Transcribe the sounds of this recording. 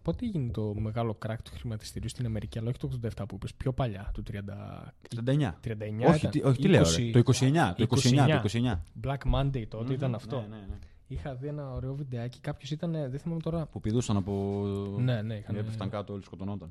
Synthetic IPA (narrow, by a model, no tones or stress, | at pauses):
po̞t̪ieʝinet̪o̞me̞ɣɐlo̞kɾɐkt̪u̥xɾimɐt̪i̥st̪iɾust̪inɐme̞ɾiciɐlɐoçit̪oɣðod̪ɐeft̪ɐpuipespço̞pɐʎɐt̪ut̪ɾiɐnd̪ɐ̰iɐnd̪ɐeɲɐ̰t̪ɾiɐnd̪ɐeɲɐoiçiɐnt̪iʔoçit̪ileosɾeoikosieɲɐt̪oikosiɲɐɲɐoikosieɲɐblɐkmɐnd̪ejt̪oot̪eit̪ɐnɐft̪o̞ | ixɐðienɐoɾeo̞vid̪eɐci̥kɐpço̞sit̪ɐneðeθimɐmet̪o̞ɾɐpupiðusɐnɐpone̞ne̞ixɐneeft̪ɐŋkɐt̪oolisko̞t̪ono̞t̪ɐn